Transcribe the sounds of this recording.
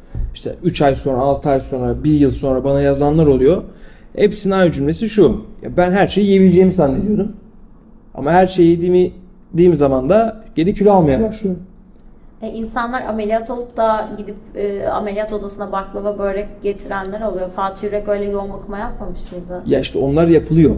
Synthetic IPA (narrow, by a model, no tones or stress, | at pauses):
iʃt̪ʰɛ̰yt͡ʃajso̞nɾaːlˠt̪ʰɯajso̞nɾabiɾjɯlˠso̞nɾabanajazanlˠaɾo̞lˠujo̞ | hepsinajd͡ʒymlʲe̞siʃuja̰bænɦæɾʃe̞jiijebilʲd͡ʒejimisanːʲed̪ijo̞ɾum | a̰maɦæɾʃejid̪imi | d̪iːmizamand̪aɟ̥ed̪icʰylʲalˠmajabaʃ | ɛʔinsanlˠaɾʔamelʲijat̪ʰolˠup̚d̪aɟid̪ipːa̰me̞lʲijat̪ʰo̞d̪asɯnd̪abaklˠavabø̞jlʲɛɟet̪ʰiɾænlʲæɾo̞lˠujo̞faːt̪ʰyɾɛø̞jlʲɛjo̞lmˠukmajapmamɯʃt̪ʰɯnd̪ajaiʃt̪ʰɛo̞nˠaɾjapʰɯlˠɯjo̞